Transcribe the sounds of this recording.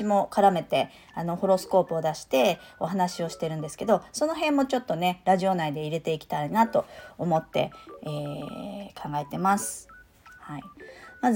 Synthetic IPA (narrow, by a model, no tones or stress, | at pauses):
imo̞kaɾame̞t̪e̞ | ano̞ho̞ɾo̞sɨ̥ko̞ːpɯ̟o̞d̪aɕi̥t̪e̞o̞ɦanaɕio̞ɕi̥t̪e̞ɾɯ̟̃nd̪e̞sɨ̥ke̞d̪o̞so̞no̞ɦẽ̞mːo̞t͡ɕo̞t̪ːo̞ne̞ɾaʑio̞naid̪e̞iɾe̞t̪e̞ikʲi̥t̪ainat̪o̞ːmo̞t̪ːe̞̰e | kʰãŋɡae̞t̪e̞masɨ̥ | haimaz